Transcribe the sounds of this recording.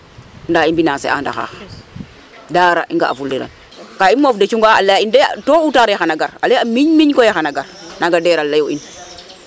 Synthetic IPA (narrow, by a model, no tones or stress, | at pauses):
ndaːinbinasḛʔa̰nda̰xa̰ːx | daːɾa̰ʔiŋɡa̰ʔa̰fuldeɾa̰n | kaimːofdet͡ʃuŋɡaa̰lːajindetoutaɾexanaɡaɾa̰leamiɲmiɲkojexanaɡaɾnaɡadeɾalːajoin